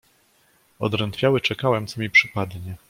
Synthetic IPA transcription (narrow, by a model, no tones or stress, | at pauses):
ɔ̰d̪ɾɛnt̪fʲjawɘt͡ʂɛkawɛmt̪sɔmʲipʂɘpad̪ɲɛ